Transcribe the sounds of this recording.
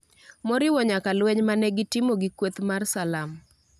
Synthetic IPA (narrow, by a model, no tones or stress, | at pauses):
mɔɾɪwɔɲakalwɛɲmanɛɡɪtɪmoɡikwot̪marsalam